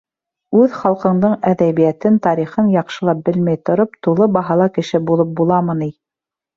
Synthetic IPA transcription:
ʉðχɑlˠqɤ̆ɴd̪ɤɴæðæβijæt̪ɘnt̪ɑɾiχɤnjɑqʃɤ̆lˠɑp̚bɘlmæjt̪ŏɾopt̪ulˠɤbɑɦɑlˠɑkɘ̆ʃɘbulˠɤp̚bulˠɑmɤni

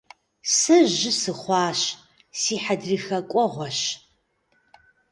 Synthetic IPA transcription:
sɨʒɪsɨχʷɑːʃ | siːħadriːxɐkʷʼɔʁʷɔɕ

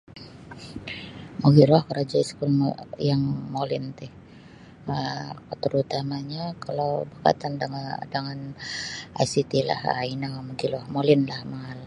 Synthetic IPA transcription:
moɡilɔhkəɾad͡ʒaiskul̰jaŋmolɪ̰nt̪ɪh | ət̪əɾut̪amaɲakalawbəka̰t̪andŋdaŋan | a̰jsit̪ila̰ha̰inamoɡilɔhmolɪnlahmaal

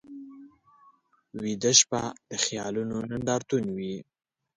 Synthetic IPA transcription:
wid̪əʃpad̪̥əxjɑlunonaɳɖ̪ɑɾt̪unwi

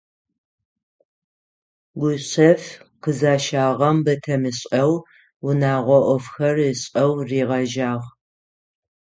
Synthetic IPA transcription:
ɡʷʊɕɐfqəzaːʃaːʁɐmbɐtʰɐmɨɕʼɐw | wʊnaːʁʷɔʔʷɔfxɐrəɕʼɐwriːʁɐʒaːʁ

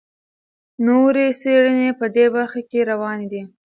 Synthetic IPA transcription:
noɾeseɽənepəd̪ebaɾxakeɾawɑned̪i

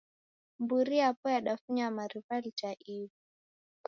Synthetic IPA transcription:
mbuɾiapɔjaɗafuɲamaɾifalit͡ʃaʔivi

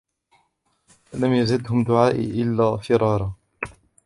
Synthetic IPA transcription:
lamjazɪd̪ɦʊmd̪ʊʕaːʔʔɪlːaːfɪɾˤɑːɾˤɑ

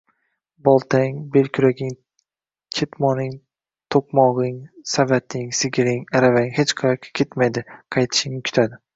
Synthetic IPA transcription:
bɒlˠt̪ʰaŋbe̞lkʲʰʊɾaɡʲɪŋ | kʲʰet̪mɒnɪŋ | t̪ʰoqmɒʁɪŋsavat̪ʰɪŋsɪɡʲɪɾɪŋaɾavaɪŋhet͡ʃqʰɑjɒkʲʰkʰʲe̞t̪majd̪ɪqʰɑjt̪ʰɪ̥ʃɪŋnɪkʲʰʊ̥t̪ʰad̪ɪ

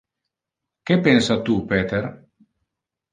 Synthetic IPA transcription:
kepensat̪upeːt̪er

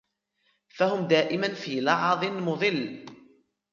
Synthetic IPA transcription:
fahʊmd̪aːʔɪmanfiːlɑʕðˤɨnmʊðˤɨlː

